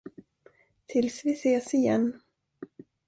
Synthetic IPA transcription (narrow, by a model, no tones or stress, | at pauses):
t̪ʰɪlsvɪseːsɪjɛ̰nː